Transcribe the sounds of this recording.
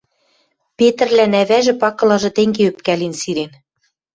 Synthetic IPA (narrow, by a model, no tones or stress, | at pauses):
pet̪ɘ̆rlænæβæʒɘ̆pɑkɤ̆lɑʒɤ̆t̪eŋɡeøp̚kælinsiɾen